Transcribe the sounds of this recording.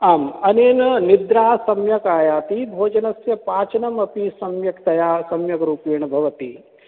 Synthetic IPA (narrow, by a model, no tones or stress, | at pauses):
aːmɐneːnɐnid̪ɾaːsɐmjɐkaːjaːt̪ibʱoːd͡ʒɐnɐsjɐpaːt͡ʃɐnɐmɐpisɐmjɐkt̪ɐjaːsɐmjɐkɐɾuːpeːɳ̃ɐbʱɐʋɐt̪i